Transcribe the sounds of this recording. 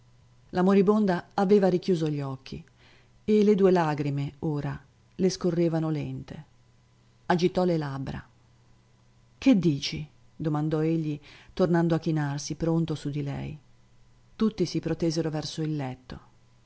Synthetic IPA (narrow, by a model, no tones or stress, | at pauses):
lamoɾibond̪aːveːvaɾik̟juːzoʎːɔkʰːḭ | eled̪uːelaɡɾimeoːɾa | leskorːeːvanolɛnt̪e | ad͡ʒit̪ɔlelabːɾa̰ | ked̪ːiːt͡ʃi | d̪omand̪ɔeʎːit̪ornand̪oakːinarsipɾont̪osud̪ilɛ̰j | t̪ut̪ːisipɾot̪ɛːzeɾovɛrsoilːɛt̪ːo̰